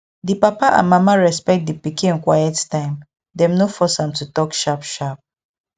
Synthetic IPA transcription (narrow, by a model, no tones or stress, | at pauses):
dipapaʔã̰nmamaɹɛspɛk̚t̚dipikĩɛ̃nkwajɛttãɪ̃m | dɛ̃mnofɔsãmtutɔkʃapʃap̚